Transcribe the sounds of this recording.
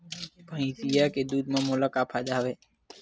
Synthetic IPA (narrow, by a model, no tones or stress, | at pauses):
pə̃ĩsijaked̪uːd̪mãːmoːlakaːpʰad͡ʒaːʋeː